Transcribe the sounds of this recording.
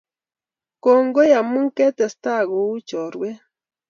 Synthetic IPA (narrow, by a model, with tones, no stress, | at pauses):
ko˨ŋɡo˦ja˨mɨ˦ŋke˦t̪e˨st̪a˦ɡo˨u˦t͡ʃo˨ɾwe˦